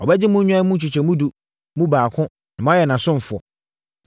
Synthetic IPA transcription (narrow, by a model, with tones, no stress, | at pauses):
ɔ˨bɛ˦d͡ʑɪ˦mũ˦ɲ̩˦ɲᶣã˦mũ˦n̩˦t͡ɕʰᶣu˨t͡ɕʰɛ˨mũ˦du˨ | mũ˦baː˨kʰʊ̃˦ | nã˨m̃˦jɛ˨nã˨sʊ̃˦m˨fʊ˨ɔ̰˨